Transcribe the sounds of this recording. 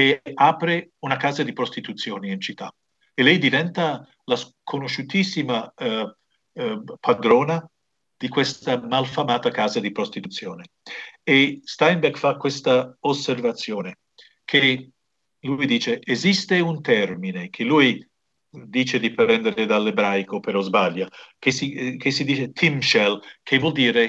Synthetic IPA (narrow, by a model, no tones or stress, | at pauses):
eaːpɾeunakaːzad̪ipɾost̪it̪ut̪sjoːniint͡ʃit̪ʰːa̰ | elɛjd̪ivɛnt̪a | laskʰonoʃut̪isːima | pʰad̪ɾoːna | d̪̥ikwest̪amalfamaːt̪akaːzad̪ipɾost̪it̪ut̪sːjoːne | est̪ajnbɛkfakːwest̪aoservat̪sjoːne | kʰe | lujd̪iːt͡ʃeːzist̪eunt̪ɛrminek̟ʰelui | d̪iːt͡ʃed̪ipɾɛnd̪eɾɾed̪alːebɾajkopeɾɔzbaʎːakesikesid̪iːt͡ʃet̪ʰimʃɛlkʰevwɔld̪iːɾe